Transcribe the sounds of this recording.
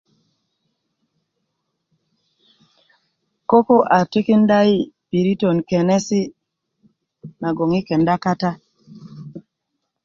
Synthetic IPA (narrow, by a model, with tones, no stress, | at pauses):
ko˦ko˦ʔa˨ti˦ki˦nda˦i˦pi˨ɾi˦to˨nke˨nɛ˦si˦ | na˨ɡo˨ŋi˦kɛ˨nda˦ka˦ta˦